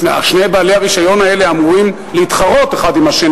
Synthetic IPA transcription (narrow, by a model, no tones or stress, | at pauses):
a̰ʃnejbaːleaʁiʃajo̞nae̞leamuuʁim | leit̪χaʁo̞t̪eχad̪imaʃen